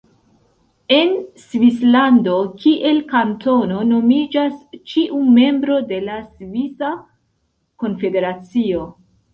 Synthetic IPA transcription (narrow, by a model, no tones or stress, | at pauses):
e̞nsvislando̞kiʔe̞lkanto̞no̞no̞mid͡ʒast͡ʃiʔume̞mbɾo̞de̞lasvisa | ko̞nfe̞de̞ɾat͡sio̞